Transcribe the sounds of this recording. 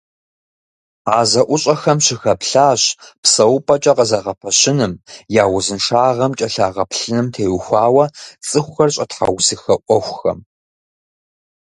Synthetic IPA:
aːzɐʔʷʊɕʼɐxɐmɕɪxɐpɬaːɕpsɐwʊpʼɐt͡ʃʼɐqɐzɐʁɐpʰɐɕɪnɨmjaːwʊzɨnʂaːʁɐmt͡ʃʼɐɬaːʁɐpɬɨnɨmtʰeːwxʷɑːwɐt͡sʼɨxʷxɐrɕʼɐtħa̰wsɨxɐʔʷʼɔxʷxɐ̰m

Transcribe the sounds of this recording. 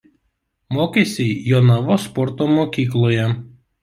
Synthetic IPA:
moːkʲesʲɛɪjoːnɑʋoːspɔɾt̪oːmoːkʲiːklˠoːjɛ

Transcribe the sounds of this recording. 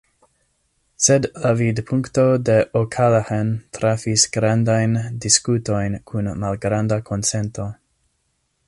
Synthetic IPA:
sedlavidpʰuŋkto̞de̞ʔokʰalahentɾafisɡ̥ɾandajndiskuto̞jnkʰunmalɡɾandakʰonsento̞

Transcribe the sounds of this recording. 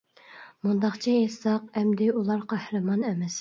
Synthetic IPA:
mund̪ɑχt͡ʃʰiesɑqɛmd̪ɪulˠɑɾqʰæhɾɨmɑnɛmɛs

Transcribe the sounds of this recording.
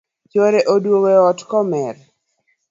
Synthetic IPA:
t͡ʃoɾeʔodwoweɔtkɔmɛɾ

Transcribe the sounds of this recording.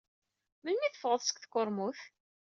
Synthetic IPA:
mənmiθəfʁəðˤsə̥kθkːʊɾˤmuθ

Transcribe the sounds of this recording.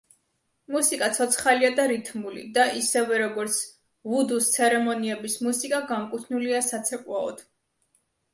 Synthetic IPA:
musikʼat̪sʰɔt̪sʰχaliad̪aɾit̪ʰmulḭd̪aʔisɛvɛɾɔɡɔɾt̪sʰ | vud̪ust̪sʰɛɾɛmɔniɛbismusikʼaɡamkʼut̪ʰnuliasat̪sʰɛkʼwaɔ̰d̪̥

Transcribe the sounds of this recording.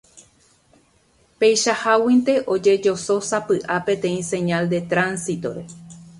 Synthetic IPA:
pe̞jʃahawĩnt̪e̞ʔo̞d͡ʒe̞d͡ʒo̞so̞sapɨʔapẽ̞t̪ẽ̞ĩsẽ̞ɲald̪e̞t̪ɾãnsit̪o̞̰ɾe̞̰

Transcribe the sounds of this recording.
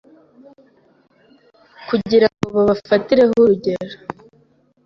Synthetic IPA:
kuɟiɾaŋɡo̞βaβafatiɾe̞ɦuɾuɟe̞ɾo

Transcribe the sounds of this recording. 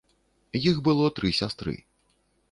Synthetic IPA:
jixbɨlˠɔt̪ɾɨsʲast̪ɾɨ̰

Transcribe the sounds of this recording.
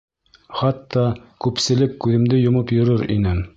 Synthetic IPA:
χɑt̪ːɑkʉpsɘ̆lɘkːʉðɘ̆md̪ɘjŏmɤpjŏɾɤɾḭnɘ

